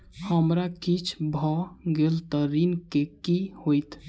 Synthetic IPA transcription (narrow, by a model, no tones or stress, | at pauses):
həmɾakit͡ʃʰbʱɔɡelt̪əɾinkekihojt̪